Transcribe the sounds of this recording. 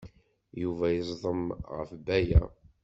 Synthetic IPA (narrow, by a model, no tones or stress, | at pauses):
juvæjəzˤðˤəmʁə̰fbæjæ̰